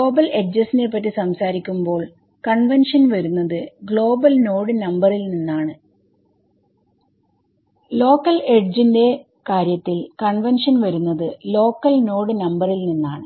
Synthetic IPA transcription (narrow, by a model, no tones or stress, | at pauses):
oːbɐleʈ̚d͡ʑɐsine̞p̬ːɐt̬ːisɐmsaːɾikʲːumbo̞ːɭ | kɐɳʋɐnʂɐnʋɐɾunːɐðɨɡɭo̞ːbɐlno̞ːɽɨnɐmbɐrilninːaːɳɨ | lo̞ːkːɐleɖ̚d͡ʑinde̞ | kaːɾjɐt̪ːilkɐɳʋenʂɐnʋɐɾunːɐðɨlo̞ːkːɐlno̞ːɽɨnɐmbɐrilninːaːɳɨ